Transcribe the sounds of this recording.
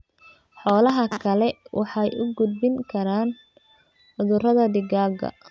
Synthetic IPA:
ħɔːlɐɦɐkʰɐlɛwʔɑħɑjʔʊɡʊd̪̚bɪŋkʰɐɾaːn | ħʊðʊrɐðɐɖɪɡaːɡɐ̰

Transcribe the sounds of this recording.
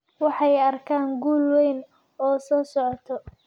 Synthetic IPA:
wɑħɑjɐrkʰaːŋɡuːlwɛjn | ɔːsɔːsɔʕɔt̪ʰɔ

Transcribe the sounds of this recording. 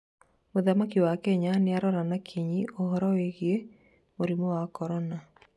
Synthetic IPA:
oðamakiwakɛɲanɪaɾɔɾanakʰiɲiʔoɦɔɾɔeɣje | moɾimɔwakɔɾɔna

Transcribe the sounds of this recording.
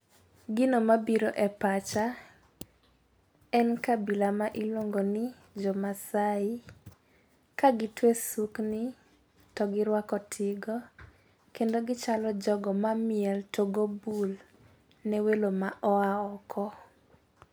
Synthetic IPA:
ɡɪnomabiɾoʔɛpat͡ʃa | ɛnkabilamaʔilwoŋɡonɪ | d͡ʒɔmasaɪ | kaɡɪtwesuknɪ | tɔɡɪɾwakɔtʰɪɡɔ | kendoɡɪt͡ʃalɔd͡ʒɔɡɔmamɪɛltʰoɡobul | nɛwelomaʔɔaɔkʰɔ

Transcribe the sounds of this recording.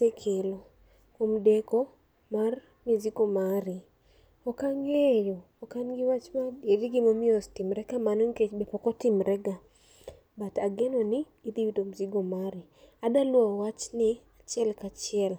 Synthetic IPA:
sekʰelo | komdɛkɔ | mar | miziɡomaɾɪ | ɔkaŋejoːkanɡɪwat͡ʃmaeɾiɡɪmomɪɔstimɾɛɡamanɔŋket͡ʃbɛpɔkɔtɪmɾɛɡa | bataɡɛnɔnɪːd̪iwidomziɡomaɾɪ | adalwɔwat͡ʃnɪat͡ʃjɛlkat͡ʃɪɛl

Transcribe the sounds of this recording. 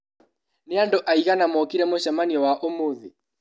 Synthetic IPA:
neandɔʔaiɣanamɔkiɾɛmoʃɛmaniɔwaʔomoði

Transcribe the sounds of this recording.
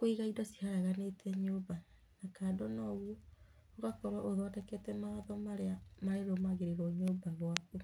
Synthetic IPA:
koiɣaidɔsi̥haɾaɣanetʰɛɲoːba | nakaːdonɔːɣwɔ | oɣakɔɾwaʔoðoadɛkɛtɛmaaðɔmaɾeamaɾeɾomaɣeɾeɾoɲoːbaɣwaku

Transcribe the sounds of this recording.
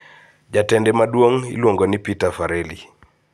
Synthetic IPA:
d͡ʒatɛndɛmadwoŋḭlwoŋɡonipitafaɾɛlḭ

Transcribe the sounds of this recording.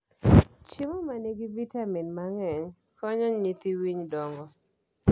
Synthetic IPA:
t͡ʃɪmɔmaneɡivitaminmaŋɛɲ | kɔɲɔɲit̪iwiɲdɔŋɡɔ

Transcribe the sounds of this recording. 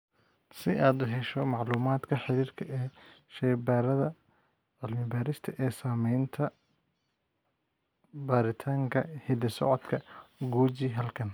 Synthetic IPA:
sɪʔaːd̪ʊɦɛʃɔmɑʕluːmaːd̪kʰɐħɪɾiːrkʰɐʔɛːʃɛjbaːɾɐðɐ | ɐlmɪbaːɾɪst̪ʰɐʔɛːsaːmɛjnt̪ʰɐ | baːɾɪt̪ʰaːŋkʰɐhɪd̪ɪsɔ̰ʕɔd̪kʰɐɡuːt͡ʃiɦɐlkʰɐn

